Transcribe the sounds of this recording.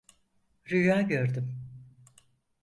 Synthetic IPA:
ɾyjaːɟøɾd̪ym

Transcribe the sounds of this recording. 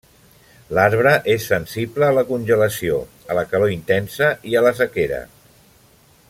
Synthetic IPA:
laɾβɾəʔesːənsibləːləkunʲʒələsio | ələkəloint̪ɛnsəiələs̬əkeɾə̰

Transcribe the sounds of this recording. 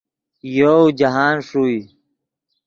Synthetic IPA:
joːd͡ʑaɦaːnʂuːi

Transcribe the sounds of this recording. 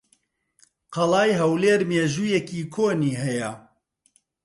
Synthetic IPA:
qɐlɑːjɦɐwleːɾmeːʒuːjɛkiːkʰoːniːɦɛjɛ

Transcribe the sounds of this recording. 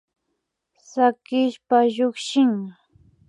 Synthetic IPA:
sakɪʃpaʎʊkʃɪŋ

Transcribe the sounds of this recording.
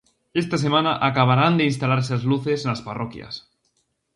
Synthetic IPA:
est̪as̬emanaʔakaβaɾand̪einst̪alaɾesazluθesenasparokja̰s

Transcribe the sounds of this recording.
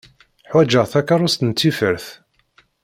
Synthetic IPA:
ħwæd͡ʒəʁθækːaɾˤʊst̪ənt͡s̪ːifəɾθ

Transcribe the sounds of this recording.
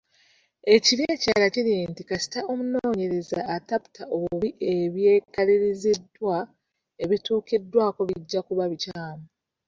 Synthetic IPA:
e̞ciɾeːcaːlaciɾintikasi̥taʔo̞munoːɲe̞ɾe̞zaːtapu̥tʰaʔo̞βuuβiʔe̞βje̞ːkaliɾizedwa | e̞βituːkedːwaːko̞βiɟːakuβaβicaːmu

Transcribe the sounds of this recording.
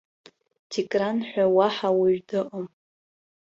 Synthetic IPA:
tʰikʼranħʷᶣawaħawɪɥdɨʔom

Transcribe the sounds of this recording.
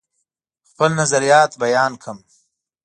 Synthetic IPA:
xpəlnazaɾijɑːt̪bajɑːnkʰəm

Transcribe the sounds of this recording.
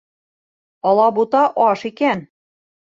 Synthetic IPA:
ɤ̆lˠɑbut̪ɑʔɑʃikæn

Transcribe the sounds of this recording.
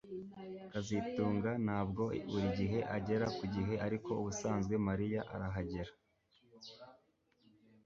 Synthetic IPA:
kazituːŋɡanaːb̚ɡo̞βuɾiɟiɦe̞ʔaɟe̞ɾakuɟiɦe̞ʔaɾiko̞uβusaːnzɡwe̞maɾijaʔa̰ɾaɦaɟeɾḁ

